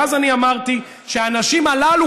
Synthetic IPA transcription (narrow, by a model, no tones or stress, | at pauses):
azaniamaʁt̪i | ʃeaːnaʃimalalu